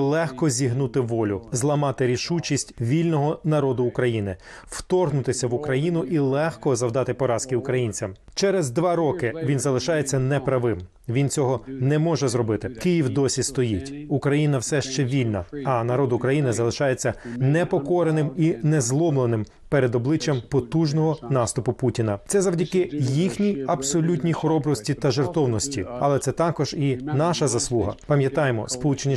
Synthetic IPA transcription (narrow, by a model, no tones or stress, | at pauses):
lˠɛxkɔzʲiɦnut̪ɪʋɔlʲʊzlˠɐmɑt̪ɪɾʲiʃut͡ʃʲisʲtʲʋʲilʲnɔɦɔnɐɾɔd̪ʊːkɾɐjinɪw̥t̪ɔrɦnʊt̪ɪsʲɐʋʊkɾɐjinʊʔilˠɛxkɔzɐwd̪ɑt̪ɪpɔɾɑskɪʊkɾɐjinʲt͡sʲɐm | t͡ʃɛɾɛzd̪ʋɑɾɔkɪʋʲinzɐlˠɪʃɑjet͡sʲːɐnɛpɾɐʋɪm | ʋʲint͡sʲɔɦɔnɛmɔʒɛzɾɔbɪt̪ɪkɪjiwd̪ɔsʲist̪ɔjitʲukɾɐjinɐwsɛʃt͡ʃɛʋʲilʲnɐ̰ɐnɐɾɔd̪ʊukɾɐjinɪzɐlˠɪʃɑjet͡sʲːɐnɛpɔkɔɾenɪminɛzlˠɔmlˠenɪm | peɾed̪ɔblˠɪt͡ʃʲjɐmpɔt̪uʒnɔɦɔnɑst̪ʊpʊputʲinɐt̪sɛzɐwdʲɐkɪjixnʲijɐbsɔlʲutʲnʲijxɔɾɔbɾɔsʲtʲit̪ɐʒert̪ɔwnɔsʲtʲiɐlˠɛt̪sɛt̪ɑkɔʒinɑʃɐzɐslˠuɦɐ̰pɐmʲjɐt̪ɑjemɔ̰spɔlˠut͡ʃenʲi